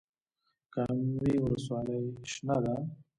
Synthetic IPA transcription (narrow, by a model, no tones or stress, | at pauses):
kamwiwʊləswɑləjʃnad̪a